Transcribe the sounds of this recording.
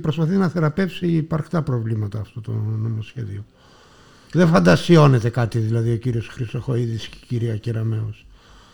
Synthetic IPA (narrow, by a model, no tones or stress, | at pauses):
pɾospɐθinɐθe̞ɾɐpe̞fsiːpɐɾxt̪ɐpɾo̞vlimɐt̪ɐːft̪ot̪o̰nonosçeðio̞ | ðefɐnd̪ɐsio̞ne̞t̪e̞kɐt̪iðilɐðio̞ciɾio̞sxɾist̪o̞xo̞iðisce̥ciɾiɐceɾɐme̞os